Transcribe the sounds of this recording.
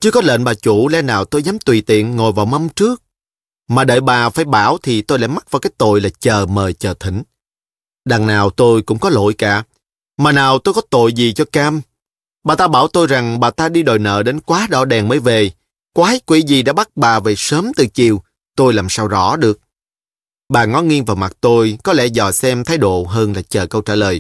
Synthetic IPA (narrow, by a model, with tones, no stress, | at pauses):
t͡ɕɨ˧əkɔ˨˦lḛː˧˨nɓaː˨˩t͡ɕu˧˩lɛ˧naː˨˩wt̪o˧jzaː˨˦mt̪wi˨˩t̪ḭ˧˨ənŋo˨˩jvaː˨˩wma˧wŋ͡mt͡ɕɨ˦˥ək̚ | maː˨˩ɗə̰ː˧˨jɓaː˨˩faː˧˩jɓaː˧˩wt̪ʰi˨˩t̪o˧jlaː˧˥˨jma˦˥t̚vaː˨˩wkaː˨˦jt̪o̰˧˨jlaː˨˩t͡ɕəː˨˩məː˨˩jt͡ɕəː˨˩t̪ʰï˧˩˦ŋ̟ | ɗaː˨˩ŋnaː˨˩wt̪o˧jkʊ̰˧˥ŋ͡mkɔ˨˦lo̰˧˨jkaː˧˩˦ | maː˨˩naː˨˩wt̪o˧jkɔ˨˦t̪o̰˧˨jzi˨˩t͡ɕɔ˧kaː˧m | ɓaː˨˩t̪aː˧ɓaː˧˩wt̪o˧jza˨˩ŋɓaː˨˩t̪aː˧ɗi˧ɗo˨˩jnə̰ː˧˨ɗe˨˦nkwaː˨˦ɗɔ̰˧˦ɗɛ˨˩nməː˨˦jve˨˩ | kwaː˨˦hə˦˥j̚kwḭ˧˩˥zi˨˩ɗa̰ː˧˥ɓa˦˥k̚ɓaː˨˩ve˨˩səː˨˦mt̪ɨ˨˩t͡ɕi˨˩əw | t̪o˧jlaː˨˩msaː˧wzɔ̰˧˥ɗɨ˨˩ək̚ | ɓaː˨˩ŋɔ˨˦ŋi˧ənvaː˨˩wma˨˩t̚t̪o˧jkɔ˨˦lɛ̰˧˩zɔ̰˧˩jsɛ˧mt̪ʰaː˨˦jɗo̰˧˨ɦəː˧nlaː˨˩t͡ɕəː˨˩kə˧wt͡ɕaː˧˩ləː˨˩j